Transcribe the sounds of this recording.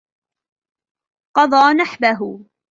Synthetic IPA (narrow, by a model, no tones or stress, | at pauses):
qɑd̪ˤɑːnaħbaɦʊ